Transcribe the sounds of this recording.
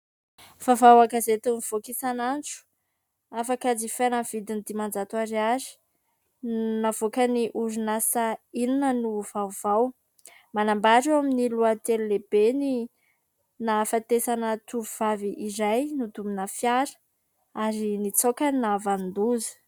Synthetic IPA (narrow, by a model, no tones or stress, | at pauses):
v̥avawakazet̪univ̥okisanant͡ʃu̥ | afakad͡zifanəv̥id̪ind̪imand͡ʒat̪uaɾiazi̥ | nav̥okəniʔuɾinasaininənuvavaw | manambaɾewaminiluat̪elulebeni | nafat̪esanət̪uvuvaviʔizajnud̪uminəfjaɾə̥ | aɾinit͡sokannavand̪uzi̥